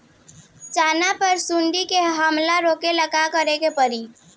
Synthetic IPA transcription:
t͡ʃaːnapəɾsuɳɖikeɦəmlaɾoːkeləɡakəɾekepəɾiː

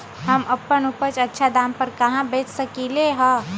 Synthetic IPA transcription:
ɦɐmɐpːənupət͡ʃɐtːʃʰad̪ãːmpəɾkɐɦãbeːt͡ʃsəkileɦə̃

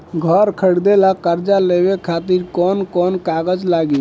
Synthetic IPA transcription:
ɡʱəɾkʰəɽd̪elakəɾd͡ʒalebekʰat̪iɾkɔnkɔnkaɡəd͡ʒlaɡi

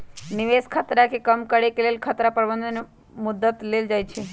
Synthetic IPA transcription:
nɪʋeːskʰət̪ɾakekəmkəɽekeleːlkʰət̪ɾapəɾbənd̪ʱən | mʊd̪ːət̪leːld͡ʒaːjt͡ʃʰe

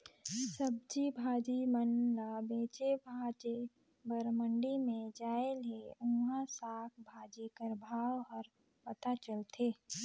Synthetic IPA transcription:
səb̚d͡ʒibʱaːd͡ʒimənlabeːt͡ʃebʱaːd͡ʒe | bəɾməɳɖimẽd͡ʒaːeleʊ̃ŋɡasaːkʰbʱaːd͡ʒikəɾbʱaːwɦəɾ | pət̪at͡ʃəlt̪ʰeː

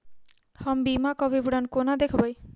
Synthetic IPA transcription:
hɔmbimakɔbibuɽankonad̪ekʰɔbaj

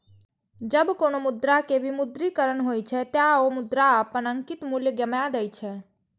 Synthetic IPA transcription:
d͡ʒəbkonomud̪ɾakebʱimud̪ɾikəɾənɦojt͡ʃʰɛt̪jaomud̪ɾaɦəpənəŋkit̪muljəɡəmjad̪ɛjt͡ʃʰɛ

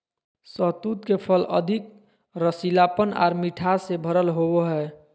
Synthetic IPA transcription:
səɦt̪ut̪kepʰələ̰d̪ʱik̚ | ɾəsilapəna̰ːɾmiʈʰasebʱəɾəlɦoweɦɛ

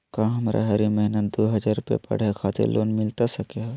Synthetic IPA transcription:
kãɦɐmɾʔa̰ɦɐɾimɐɦnət̪̚d̪oːɦɐd͡ʒaːɾupjḛpɐ̰ɽ̤ekʰaːt̪ɪ̰ɾlʔo̰ːnmɪlt̪asɐkeɦ

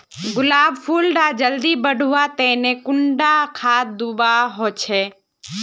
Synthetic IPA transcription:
ɡʊlaːbpʰuːlɖaːd͡ʒəld̪iːbəɖʱuʋaːt̪ɛ̃ːnẽːkʊɳɖakʰaːd̪ubaːɦoːt͡ʃʰeː

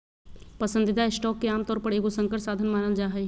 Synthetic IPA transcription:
pɐsənd̪ɪt̪aɪsʈɔːkːeaːmt̪ɔːɾpɐɾeːɡosə̃ŋkəʈsaːd̪ʱənmaːnəld͡ʒaːɦɛ

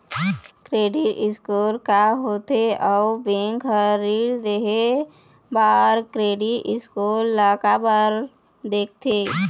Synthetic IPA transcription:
kɾeːɖiʔɪskoːɾkaɦoːt̪eɔʊbẽŋkɦəɾiːɾd̪eɦe | baːɾkɾeːɖiʔɪskoɾlaːkabəɾ | d̪eːk̚ʰt̪ʰeː

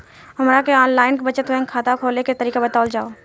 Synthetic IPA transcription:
ɦəmɾakeaːnlaːɪnkebət͡ʃət̪ʋɛ̃ŋkʰaːt̪akʰoːleket̪əɾiːkabət̪aːld͡ʒaːo

